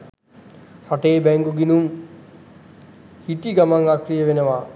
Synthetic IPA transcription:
faʈeːbɛŋɡuɡinum | hiʈ̪iɡamaŋakɾijəʋenəʋa

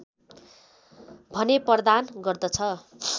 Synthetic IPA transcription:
bʱʌnepʌrd̪anɡʌrd̪ʌt͡sʰʌ

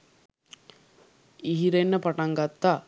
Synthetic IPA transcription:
iɦiɾenːəpaʈaŋɡat̪ːa

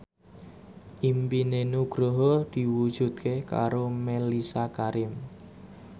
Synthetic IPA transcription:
ʔimpinenuɡ̥ɾoɦɔd̪̥i̤wud̥ʒ̥ṳd̪̚kʰeka̰ɾomelisakaɾɪm

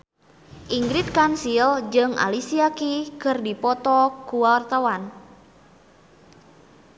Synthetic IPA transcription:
ʔiŋɡɾit̪̚kansild͡ʒɨŋʔa̰lisiakikərdipɔt̪ɔkuwawart̪awan

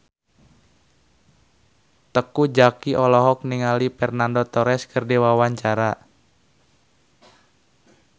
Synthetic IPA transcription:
t̪əkud͡ʒakiʔɔlɔɦɔk̚niŋalipɛrnandot̪ɔɾɛskərdewawaɲt͡ʃaɾa

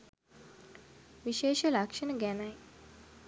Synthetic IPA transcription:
ʋiʃeːʃəlakʂənəɡænaj

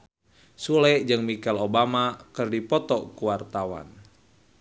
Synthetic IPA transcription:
sulɛʔd͡ʒɨŋmikalobamakɨrdipɔt̪ɔkuwart̪awa̰n

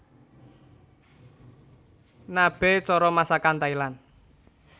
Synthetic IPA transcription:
nab̥ɛ̤t͡ʃɔɾɔmasakant̪ailan

